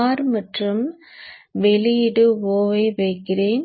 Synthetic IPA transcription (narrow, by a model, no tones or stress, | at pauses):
ɾmɐʈrɯm | ʋɛlɪjɪɽɯoːʋɐɪʋɐɪkːɪreːn